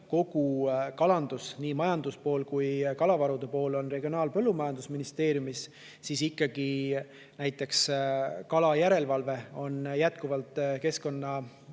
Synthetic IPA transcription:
ko̞ɡ̥ukɑlɑnd̪̥usniːmɑjɑnd̪̥uspo̞ːlkujkɑlɑvɑɾud̪̥epo̞ːlo̞nre̞ɡionɑːlpɤ̞lːumɑjɑnd̪usminist̪e̞ːɾjumis | sisikˑːɑɡi | næjt̪ːˑe̞kskɑlɑjæɾe̞lvɑlve̞o̞njæt̪kuvɑlt̪ˑke̞sko̞nːɑ

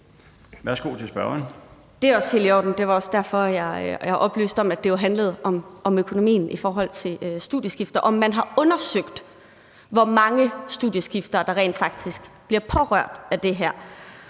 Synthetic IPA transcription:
ʋæɐsɡ̥o̝̰ːt͡sʰesb̥ɶɐɐn | d̥e̝æɒ̽sheliɒ̰ːd̥n̩d̥e̝ʋɑ̈ɒ̽sd̥æɐ̰fɒ̽jɑ̈ɪhɑ̈ʔɒ̽b̥ly̰ːsd̥ɒ̽mæd̥e̝joɦænləð̞̩ˠʔɒ̽mɒ̽møkʰo̝no̝mḭːn̩ifɒːɦɒ̽l̰t͡sʰe̝lsd̥uðˠjəsɡ̥ifd̥ɐʔɒ̽mːænɦɑ̈ɔ̽nɐsøɡ̥d̥ | ʋɒmɑ̈ŋəsd̥uð̰ˠjəsɡ̥ifd̥ɐːd̥ɑ̈ʁḛːnd̥fɑ̈ɡ̥̚d̥isɡ̥b̥liɐpʰɒ̽ʁœɐ̰d̥æd̥e̝ɦæɐ̰

